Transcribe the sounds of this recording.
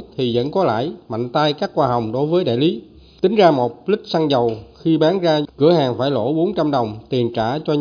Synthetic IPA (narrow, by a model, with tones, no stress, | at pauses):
t̪ʰi˨˩zə̰˧˥nkɔ˨˦la̰ː˧˨jma̰˧˨jŋ̟t̪aː˧jkaː˦˥kːwaː˧ɦɔ˨˩wŋ͡mɗo˨˦jvəː˨˦jɗa̰ː˧˨jli˨˦ | t̪ï˨˦ŋ̟zaː˧mo˨˩t̚lï˦˥k̟̚sa˧ŋzə˨˩wxi˧ɓaː˨˦nzaː˧kɨ̰˧˩əɦaː˨˩ŋfaː˧˩jlo̰˧˩ɓo˨˦nt͡ɕa˧mɗə˨˩wŋ͡mt̪i˨˩ənt͡ɕaː˧˩t͡ɕɔ˧